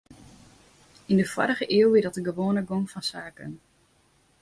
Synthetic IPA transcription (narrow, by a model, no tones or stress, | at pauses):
indəfwɔ̰ɾəχəʔɪəwʋɪdɔtəɡəʋoːnəɡoŋfɔnsaːkə̰n